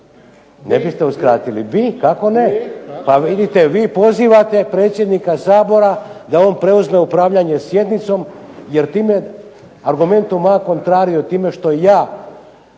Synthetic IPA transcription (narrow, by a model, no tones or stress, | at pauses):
nebist̪euskɾaːt̪ilḭʋikako̞nepaʋid̪it̪eʋiːpo̞ziʋat̪e̞pɾe̞ːt̪sjed̪nikasaːbo̞ɾad̪ao̞ːnpɾe̞uzme̞upɾaːʋʎaɲe̞sje̞d̪nit̪so̞mjeɾt̪iːme̞ | aɾɡume̞nt̪umako̞nt̪ɾaːɾiot̪iːme̞ʃt̪o̞jaː